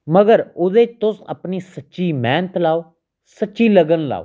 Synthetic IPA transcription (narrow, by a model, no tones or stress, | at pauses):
məɡəɾʊd̪eːt͡ʃt̪ʊsə̰pniːsətːʃiːmɛːnt̪laːoː | sətːʃiːləɡənla̰ːo